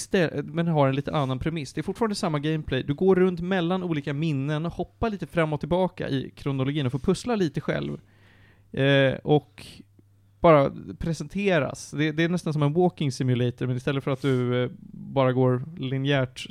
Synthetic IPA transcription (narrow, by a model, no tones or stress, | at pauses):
st̪ɛmɛnɦaɾɛnliːt̪ənanːanpʰɾɛmɪsd̪ɛæɾfʊʈːfːɾnd̪əsamːaɡɛɪmpʰlɛjd̪ɵɡoːɾːɵnt̪mɛlːanuːliːkamɪnːənɔhɔpːaliːt̪əfɾamːɔt̪ʰːɪlbɑːka̰ʔɪ̰kʰɾʊnʊlʊɡiːnɔfoːɾpʰɵslaliːt̪əɧɛ̰lv | ɔk | b̥ɑːɾapʰɾɛsɛnt̪ʰeːɾa̰sd̪ɛd̪ɛːɳɛst̪ansɔmɛnwoːkɪŋsɪmjʏlɛjt̪əɾmɛnɪst̪ɛlːət̪fœɾat̪̚d̪ɵ | bɑːɾaɡoːɾlɪnɪæːʈ